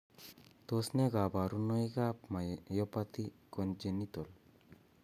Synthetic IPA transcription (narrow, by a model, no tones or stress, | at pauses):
t̪osneɡabaɾunojɡapmajɔpat̪ikond͡ʒenːit̪ol